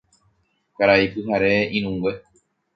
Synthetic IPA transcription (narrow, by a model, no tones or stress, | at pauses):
kaɾaipɨɦaɾe̞ĩñũwe